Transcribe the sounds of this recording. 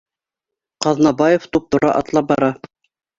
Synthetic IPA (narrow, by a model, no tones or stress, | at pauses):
qɑðnɑbɑjoft̪up̚t̪ŏɾɑ̰ʔɑ̰t̪lˠɑp̚bɑɾɑ